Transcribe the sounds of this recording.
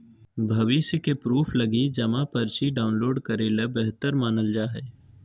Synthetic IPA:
bʱɐʋɪsjəkepɾuːpʰlɐɡid͡ʒɐmapɐɾt͡ʃiɖaːʊnloːɖkɐɾeːlebeɦt̪əɾmaːnəld͡ʒaːɦeː

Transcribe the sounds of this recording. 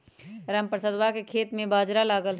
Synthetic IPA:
ɾəmpɾəsəd̪ʋakekʰeːt̪mẽbaːd͡ʒɾalaːɡəl

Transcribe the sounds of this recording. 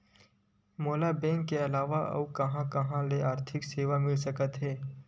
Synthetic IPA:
moːlabɛ̃ːŋkːeɐlaːʋaʔɐ̰wkɐɦãkɐɦãleaːɾt̪ʰɪkseːʋamɪlsɐkət̪ɦɛː

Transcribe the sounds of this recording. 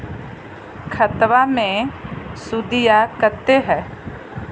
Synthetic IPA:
kʰət̪wamẽsud̪ijakəɾt̪eɦɛː

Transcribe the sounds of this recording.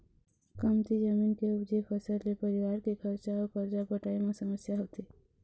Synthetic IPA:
kəmt̪id͡ʒəminkeʊd͡ʒekʰəsəɾlepəɾɪʋaːɾkekʰəɾt͡ʃaokəɾt͡ʃapəʈaːimẽsəməsjaɦot̪i

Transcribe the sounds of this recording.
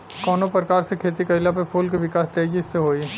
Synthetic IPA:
kɔːnopɾəkaːɾsekʰeːt̪ikɐɪlapepʰuːlkiʋɪkaːst̪eːd͡ʒisːeɦoːi

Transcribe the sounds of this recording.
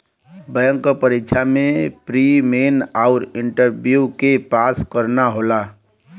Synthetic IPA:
bəjəŋkəpəɾikːt͡ʃʰamepɾimenaʊɾiɳʈəɾbjukepaskəɾnaɦola

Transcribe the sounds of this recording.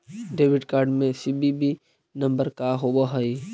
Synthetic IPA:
ɖeːʋɪɖkaːɾɖmẽsibibʱi | nɐ̃mbəɾkaɦobaɦəi

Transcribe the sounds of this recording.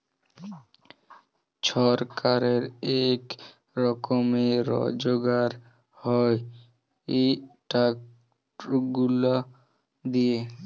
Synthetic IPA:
ʃɔɾkaɾeɾek | ɾɔkomeɾɔ̰d͡ʑoɡaɾ | hɔe | eʈak | ɡula | d̪ie

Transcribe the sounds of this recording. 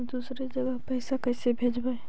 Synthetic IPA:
d̪usɾed͡ʒəɡəɦpəɪsakəɪsebʱed͡ʒbəj

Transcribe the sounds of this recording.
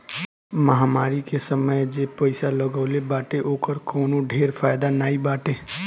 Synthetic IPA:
məɦaːmaːɾikesəməjd͡ʒeːpəɪsaləɡaːlebaːʈeʔoːkəɾkɔːnõɖʱeːɾfʰaːjd̪anaːibaːʈẽː

